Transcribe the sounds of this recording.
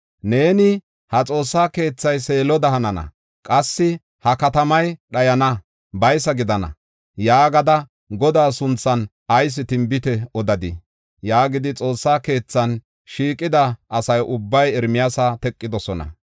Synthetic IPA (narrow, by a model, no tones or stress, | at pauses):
ne̞ːnɪ | hɐt͡sʼo̞ːsːaːke̞ːt͡sːɐjse̞ːlɔd̪ɐhɐnɐnɐ̰ | kʼɐsːɪ | hɐkɐt̪ɐmɐjɗɐjɐnɐ | bɐjsɐɡɪd̪ɐnɐ̰ | jaːɡɐd̪ɐ | ɡɔd̪aːsʊnt͡sːɐn | ɐjs̬ɪt̪ɪmbɪt̪ɛɔd̪ɐd̪ɪ | jaːɡɪd̪ɪt͡sʼo̞ːsːaːke̞ːt͡sːɐn | ʃiːkʼɪd̪ɐʔːsɐjʔʊbːɐjɛɾmɪjasat̪ɛkʼːɪd̪ɔsɔnɐ̰